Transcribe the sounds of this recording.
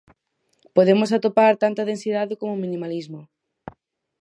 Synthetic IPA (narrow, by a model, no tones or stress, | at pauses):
poð̞emos̬at̪opaɾt̪ant̪ɐðensiðaðɪkomomĩnĩmalizmo